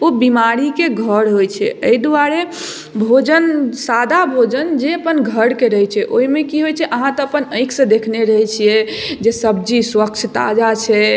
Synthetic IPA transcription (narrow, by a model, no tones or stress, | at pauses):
obimaɾikeɡʱəɾɦojt͡ʃʰɛ̰əid̪uaɾe | bʱod͡ʒənsad̪ʱabʱod͡ʒənd͡ʒeəpənɡʱəɾkeɾəɦɛt͡ʃʰɛʔoɦimekiɦojt͡ʃʰɛʔəɦãt̪ɔəpənəɪkʰsə̃d̪ekʰneɾəɦɛt͡ʃʰijɛd͡ʒesəb̚d͡ʒiswək̚t͡ʃʰt̪a̰d͡ʒat͡ʃʰɛ